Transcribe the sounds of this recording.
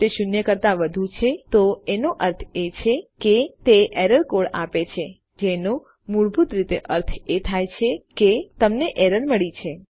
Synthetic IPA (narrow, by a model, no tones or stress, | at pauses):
t̪eʃʊnjəkəɾt̪aʋəd̪ʱũt͡ʃʰet̪oenoʔəɾt̪ʰet͡ʃʰeket̪eʔeɾəɾkoɽa̰pet͡ʃʰe | d͡ʒeno | muɭbʱut̪ɾit̪eʔəɾt̪ʰet̪ʰajt͡ʃʰeket̪əmneʔɛɾəɾməɭit͡ʃʰe